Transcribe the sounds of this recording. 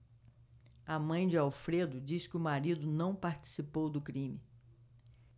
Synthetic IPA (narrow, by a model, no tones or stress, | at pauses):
ɐmɐ̃j̃d͡ʒɪawfɾed̪ʊd͡ʒiskɪʊmaɾid̪ʊnɐ̃w̃paɾt͡ʃi̥sipowd̪ʊkɾĩmɪ